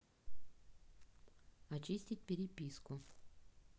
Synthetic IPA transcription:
ɐt͡ɕisʲtʲit̚ʲpʲɪɾʲɪpʲiskʊ

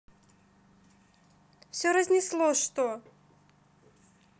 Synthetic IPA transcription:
fsʲoɾɐzʲnʲɪslˠoʂt̪o

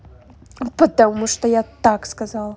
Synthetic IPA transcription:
pɐt̪amuʂt̪ɔjat̪akskazalˠ

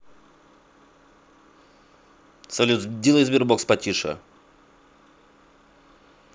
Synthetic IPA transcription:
t̪sɐlʲud̪ʲilˠəzbʲɪrbokspɐtʲiʂɐ̰

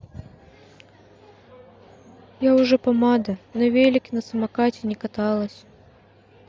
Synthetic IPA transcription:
jaʊʐɛpɐmad̪ɐnɐvʲelʲɪkʲɪnɐsɐmɐkatʲɪnʲɪkɐt̪alˠəsʲ

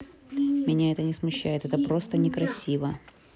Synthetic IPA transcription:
mʲɪnʲaɛt̪ənʲɪsmʊɕːæjɪt̪ɛt̪əpɾo̞st̪ənʲɪkɾɐsʲivə

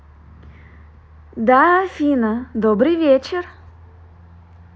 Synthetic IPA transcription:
d̪afʲinəd̪obɾɨjvʲet͡ɕɪr

